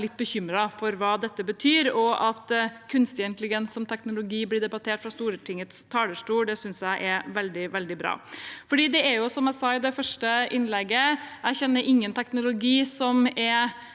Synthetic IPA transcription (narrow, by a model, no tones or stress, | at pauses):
lɪt̪̚ːbəçʏmɾɑfɔɾʋɑːd̪ɛt̪ːəbət̪ʰyːɾɔʔɑt̪kʰʉnst̪ɪnt̪əlɪɡɛnssɔmt̪ʰɛknʊlʊɡiːblɪɖ̪ɛbɑt̪ʰeːʈfɾɑst̪uːɾət̪ʰɪŋət̪st̪ʰɑːləʂʈuːɖɛsʏnsjæɪʔɛʋɛld̪ɪʋɛld̪ɪbɾɑ̰ːfɔɖiːd̪ɛɛɾjʊsɔmæɪsɑɪd̪ɛfœʂʈəʔɪnlɛɡəæɪçɛnːəɾʔɪŋːənt̪ʰɛknʊlʊɡiːsɔmɛɾ